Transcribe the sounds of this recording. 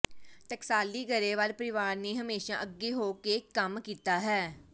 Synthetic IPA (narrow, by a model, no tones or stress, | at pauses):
t̪əksaːliːɡəɾeːʋaːlpəɾɪʋaːɾneːɦəmeːʃã̰ːʔəɡːeːɦoːkeːkəmkiːt̪aːɦɛː